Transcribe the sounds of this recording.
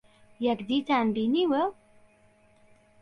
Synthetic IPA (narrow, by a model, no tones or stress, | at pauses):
jakd̪it̪anbiniwə